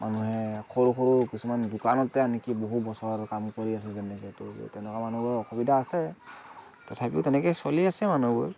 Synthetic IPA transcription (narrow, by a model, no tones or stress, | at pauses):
mʔanuɦɛxoɹuxoɹukisumandukanɔtɛanikiboɦutbɔsɔɹkamkoɹias̬ɛzɛnɛkɛtɔ̰tɛʊnɛkamanuɡuɹɔɹɔxɔbidʱaːsɛ | tɔtʰapiʊtɛnɛkɛsoliasɛmanuɡuɹ